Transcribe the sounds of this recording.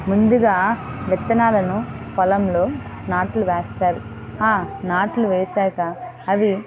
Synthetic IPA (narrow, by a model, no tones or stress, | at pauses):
mund̪uɡaːʋɛt̪ːɐnaːlɐnupɔlɐmlo̞ːnaːʈluʋeːst̪aːɾu | aːnaːʈluʋeːsaːkɐ | ɐʋi